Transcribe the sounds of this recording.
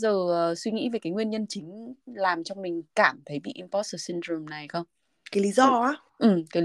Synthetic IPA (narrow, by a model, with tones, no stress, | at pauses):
zəː˨˩ə˨˩swi˧ŋḭ˧˥ve˨˩kaː˨˦jŋwi˧ənɲə˧nt͡ɕï˨˦ŋ̟laː˨˩mt͡ɕɔ˧wŋ͡mmï˨˩ŋ̟kaː˧˩mt̪ʰə˨˦jɓḭ˧˨ʔi˧npɔ˦˥t̚əː˨˩si˧ntɾu˨˧˩mna˨˩jxə˧wŋ͡m | kaː˨˦jli˨˦zɔ˧a˨˦ | ʔɨ˨˩mkaː˨˦